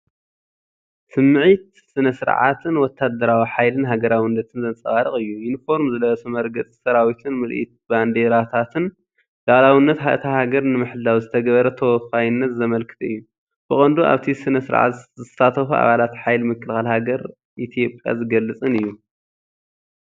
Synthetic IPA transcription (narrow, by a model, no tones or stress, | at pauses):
sɨmːɨʕit̪ | sɨnɐsɨɾ̰ʕa̰t̪ʰɨnwɔt̪ʰːad̪ɐɾawiħajlɨnɦaɡɐɾawinːɐt̪ʰɨnzɐnt͡sʼɐxʼaɾɨχʼɨjːujɪnifo̞ɾmzɨlɐɐsumɐɾɡɐt͡sʼi̥sɐɾawit̪ʰɨnmɨlʔḭt̪̚band̪eɾat̪ʰat̪ʰɨn | d̪̥alawinːɐt̪hat̪ʰahaɡɐɾnɨmɨħɨd̪awizɨt̪ʰɐɡɐβɐɾɐt̪ʰɐwɔfajɪnːɐt̪zɐmɐlkʰɨ̥t̪ʰɐɨjːu | b̥ɨχʼɐnd̪uʔa̰βt̪ʰisɨnɐsɨɾʕa̰t̪zɨsat̪ʰɐxuʔa̰βalat̪ħajlmɨkːɨlxalhaɡɐɾ | ʔit̪ʰijo̞pʼja̰zɨɡɐlːɨt͡sʼɨnɨjːu